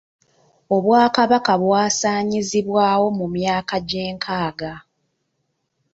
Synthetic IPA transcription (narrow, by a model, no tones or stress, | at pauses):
o̞βwaːkaβakaβwaːsaːɲiziβwaːwo̞mumjaːkaɟe̞ːŋkʰaːɡa